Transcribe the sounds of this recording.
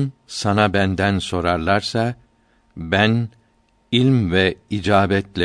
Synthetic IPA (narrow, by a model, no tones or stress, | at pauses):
nsanabænd̪ænso̞ɾaɾlˠaɾsa | bæn | ilʲmvɛid͡ʒaːbɛt̪lʲɛ